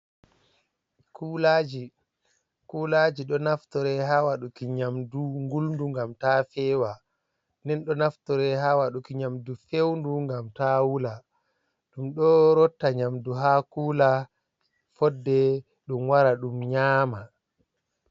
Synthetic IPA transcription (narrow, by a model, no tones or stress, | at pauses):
kulaːd͡ʒi | kulad͡ʒiɗɔnaftɔɾɛɦawaɗukiɲamduŋɡulnduŋɡamtaːfɛwa | ndɛnɗɔnaftɔɾɛɦawaɗukiɲamdufewnduŋɡamtawula | ɗumɗɔɾɔtːaɲamduɦakuːla | fɔdːɛ | ɗumwaɾaɗumɲaːma